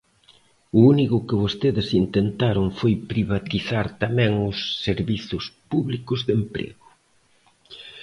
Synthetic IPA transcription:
ʊunikʊkɪβost̪eðɪsint̪ent̪aɾʊŋfojpɾiβat̪iθaɾt̪amɛ̃ŋʊsːeɾβiθʊspuβlikʊzðempɾḛɣʊ

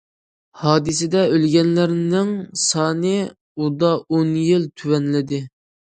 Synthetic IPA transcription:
hɑːd̪ɨsɪd̪ɛølɡʲɛnlɪɾnɪŋsɑːnɨ | ud̪ɑonjilt̪ʰywɛnlɪd̪ɪ

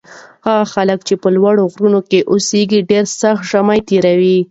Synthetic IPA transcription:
haɣaxaləkt͡ʃepəlwaɽoɣɾunokeʔoseɡiɖeɾsaxt̪ʒamajt̪eɾawi

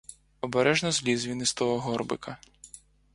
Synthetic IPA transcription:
ɔbɛɾɛʒnɔzlʲizʲʋʲinɪst̪ɔɦɔɦɔrbɪ̰kɐ

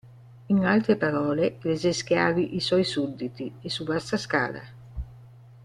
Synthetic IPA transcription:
iŋalt̪ɾepaɾɔːlelezɛsk̟jaːviʔisɔjsud̪ːit̪iesuvast̪aska̰ːla̰

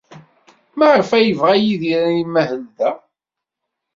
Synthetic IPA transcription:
mæʕəfæjəvʁæjiðiɾæimæhəld̪æ

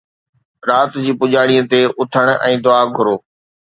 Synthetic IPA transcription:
ɾaːt̪d͡ʑiːpʊʄaːɽijət̪eʊt̪ʰəɽ̃ʔɛ̃ːd̪ʊaːɡʱʊɾoː

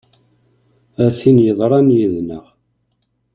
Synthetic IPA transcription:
æθinjəðˤɾˤɑnjiðnəʁ

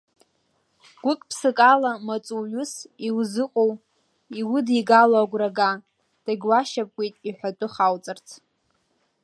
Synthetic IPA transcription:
ɡ̥ʷʊkʼpʰsɨkʼalamat͡sʼuɥʊsiwzɨqʷʼow | iwʊdiɡaloaɡʷraɡa | d̥aɡʲwaʃapʼkʷʼejtʼiħʷᶣatʼʊχawt͡sʼɨrt͡sʰ

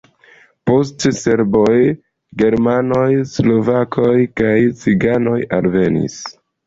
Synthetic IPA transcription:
po̞stse̞ɾbo̞j | ɡe̞ɾmano̞jslo̞vakʰo̞jkajt͡siɡano̞jalve̞nḭs

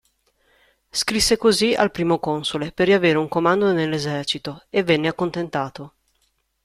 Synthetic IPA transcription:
skɾisːekozia̰lpɾiːmokonsoleperːiaveːɾeuŋkomand̪onelːezɛrt͡ʃit̪oevːenːeakːont̪ent̪aːt̪o

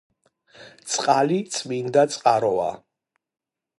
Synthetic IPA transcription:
t̪sʼqʼalit̪sʼmind̪at̪sʼqʼaɾɔa̰

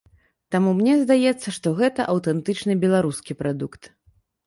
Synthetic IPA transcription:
t̪amumnʲɛzd̪ajɛt̪sːɐʂt̪ɔɣɛt̪ɐʔɐwt̪ɛnt̪ɨt͡ʂnɨbʲɛlˠaɾuskʲipɾad̪ukt̪

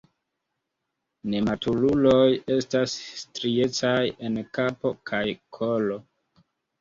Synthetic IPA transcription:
ne̞matululo̞je̞stasːtɾie̞t͡saje̞nkapo̞kʰajkʰolo

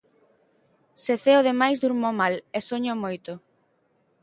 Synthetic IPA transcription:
seθeoðemajzd̪uɾmomalesoɲomojt̪ʊ

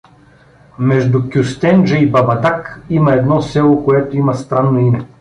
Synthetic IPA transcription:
mɛʒd̪ʊkʲust̪ɛnd͡ʒɐibɐbɐd̪akimɐɛd̪nɔsɛlˠokoɛt̪oimɐst̪ɾanːoimɛ

